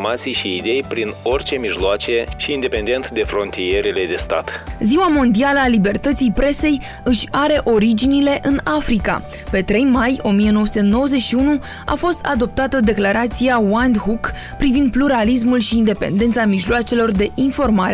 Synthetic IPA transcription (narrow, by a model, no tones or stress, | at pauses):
mat̪sijʃiːd̪e̞jpɾino̞rʲt͡ʃe̞miʒloat͡ʃe̞ʃiːnd̪e̞pe̞nd̪e̞nt̪d̪e̞fɾo̞nt̪ije̞ɾele̞d̪e̞st̪a̰t̪ziwamo̞nd̪ialəalibe̞rt̪ət̪sijpɾe̞se̞j | ɨʃʲaɾe̞ʔo̞ɾid͡ʒinile̞ʔɨnafɾika̰ | pe̞t̪ɾe̞jmajo̞mije̞no̞wəsu̥t̪e̞no̞wəze̞t͡ʃʃiunu | a̰fo̞st̪ad̪o̞p̚t̪at̪əd̪e̞klaɾat̪siawand̪ɦuk | pɾivind̪̚pluɾalis̬mulʃiːnd̪e̞pe̞̰nd̪e̞nt̪samiʒloat͡ʃe̞lo̞rd̪e̞ʔinfo̞rmaɾe